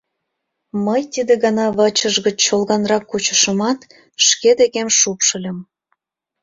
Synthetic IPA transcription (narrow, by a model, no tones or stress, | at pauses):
məjt̪id̪eɣɑnɑβət͡ɕəʒɣət͡ɕt͡ɕːolˠɣɑnrɑkːut͡ɕə̥ʃəmɑt̪ | ʃked̪eɣemʃupʃə̆lʲə̆m